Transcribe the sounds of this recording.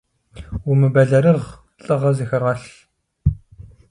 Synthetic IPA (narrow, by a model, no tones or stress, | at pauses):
wumɨbɐɮɐɾɨʁ | ɬʼɨʁɐzixɐʁɑɬ